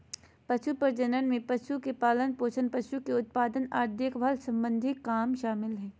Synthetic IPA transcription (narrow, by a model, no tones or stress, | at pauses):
pɐʃupɐɾd͡ʒɐnənmẽpɐʃukepaːlənpoːt͡ʃʰənpɐʃukeʊt̪̚paːd̪ənaːd̪ekʰbʱalsɐ̃mbə̃nd̪ʱɪkːaːmʃaːmɪlɦɛː